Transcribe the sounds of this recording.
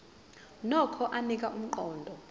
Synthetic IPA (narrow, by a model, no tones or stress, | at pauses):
nɔkʰɔʔanik̬ʼaʔum̩ǃɔːndʱɔ